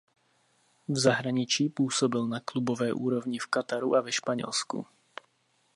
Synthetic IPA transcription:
vzaɦɾaɲɪt͡ʃiːpuːsobɪlnaklubovɛːʔuːɾo̞vɲɪfkat̪aɾuʔavɛʃpaɲɛ̰lskṵ

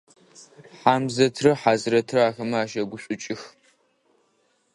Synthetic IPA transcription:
ħaːmzɐtʰrɨħaːzɨrɐtʰrɨaːxɐmɐaːʃɐɡʷʊɕʷʼʊt͡ʃʼɪx

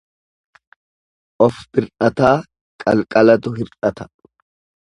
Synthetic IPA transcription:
ʔɔfbɪɾᶑɐt̪aː | kʼɐlkʼɐlɐt̪ʊɦɪɾᶑɐt̪ɐ̥

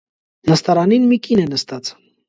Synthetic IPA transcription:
nəst̪ɑɾɑninmikinɛnəst̪ɑt͡s

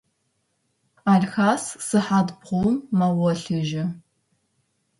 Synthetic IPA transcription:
aɮxaːssɨħadbʁʷowmːawɔɬɨʒɪ

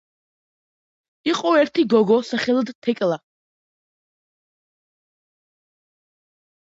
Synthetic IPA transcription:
iqʼɔɛɾt̪ʰiɡɔɡɔsaχɛlˠɔd̪t̪ʰɛkʼlˠa

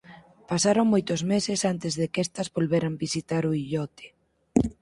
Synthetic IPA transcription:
pasaɾoŋmojt̪ʊzmesɪsant̪ɪzðekest̪ɐzβolβeɾambisit̪aɾʊiʎɔt̪e̥

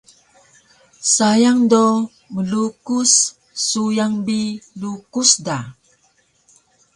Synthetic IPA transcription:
sajaŋdo | məlukusː | ujaŋbilukusda

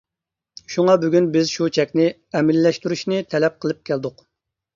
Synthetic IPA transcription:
ʃuŋɑbyɡʲynbɪzʃut͡ʃʰɛkʲnɪ | ɛmɪlːɛʃt̪yɾyʃnɪt̪ʰɛlɛp̚qʰəlˠɨp̚kʲʰæld̪ʊq

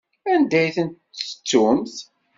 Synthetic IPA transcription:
ænd̪æjθənt̪ət͡sːumθ

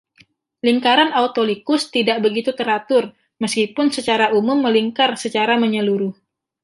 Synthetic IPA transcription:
liŋkaɾanaut̪olikʊst̪idaʔbəɡit̪ut̪əɾat̪ʊr | məskipʊnsət͡ʃaɾaʔumʊmːəliŋkarsət͡ʃaɾaməɲəluɾʊh

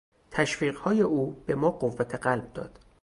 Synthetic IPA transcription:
t̪ʰæʃfiːɢhɒːje̞ʔuːb̥e̞mɒːɢovːæt̪ʰe̞ɢælb̚d̪ɒ̰ːd̪̥

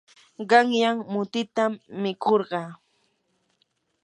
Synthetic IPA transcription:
ɢɑŋjaŋmʊt̪ɪt̪amːɪkʰoɾɢɑː

